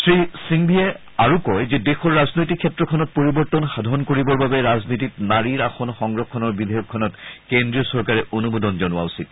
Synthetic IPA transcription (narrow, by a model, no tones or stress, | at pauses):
sɹisiŋbʱiɛ | aɹukɔjzedexɔɹːaznojtikʰːɛtɹɔkʰɔnɔt̚poɹibɔɹtɔnxadʱɔnkoɹibɔɹbabɛɹaznititnaɹiɹaxɔnxɔŋɹɔkʰːɔnɔɹbidʱɛjɔkʰːɔnɔtkendɹiɔsɔɹkaɹɛʔonumodɔnzɔnʊwa̰usit̚